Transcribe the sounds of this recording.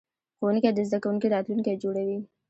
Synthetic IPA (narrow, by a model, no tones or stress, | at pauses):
xowənked̪əzd̪akawuŋkid̪at̪lunked͡ʒoɽawi